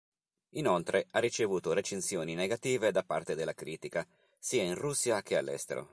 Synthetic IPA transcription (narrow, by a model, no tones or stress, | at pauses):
inolt̪ɾʔearːit͡ʃevuːt̪oɾet͡ʃensjoːnineɡat̪iːved̪apːa̰rt̪ed̪elːakɾiːt̪ika | siːainrusːjak̟ʰea̰lːɛ̰st̪ḛɾo̰